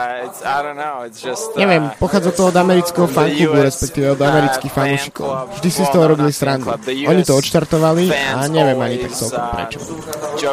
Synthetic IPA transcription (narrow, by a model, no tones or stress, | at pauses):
ɲɛʋɪɛmpɔxaːd͡zɔt̪ɔɔd̪amɛɾit͡skɛɦɔfaŋkuɡuɾɛspɛkt̪iːʋɛɔd̪amɛɾit͡skixfanuːʃi̥kɔ̰ʊvʒd̪isist̪ɔɦɔɾɔbilisɾand̪ṵʔɔɲit̪ɔɔt̪ʃt̪aɾt̪ɔʋalia̰ɲɛʋɪɛmaɲit̪ak̚t͡sɛlkɔmpɾɛ̰t͡ʃɔ̰